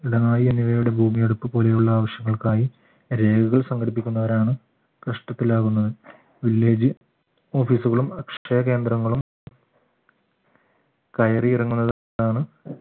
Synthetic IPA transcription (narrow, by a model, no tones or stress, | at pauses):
iɽɐnaːjieniʋɐjuɽe̞bʱuːmijeɽupːɨpo̞ːle̞juɭːɐaːʋɐɕjɐŋːɐɭkaːji | ɾe̞ːɡuɣɐɭsɐŋɡʰʱɐɽipːikʲːunːɐʋɐɾaːɳɨ | kɐʂʈɐt̪ːilaːɣunːɐðɨ | ʋilːe̞ːd͡ʑɨ | o̞ːfiːsuɣɐɭumɐkʂɐjɐke̞ːnd̪ɾɐŋːɐɭum | kɐjɐriirɐŋːunːɐð | aːɳɨ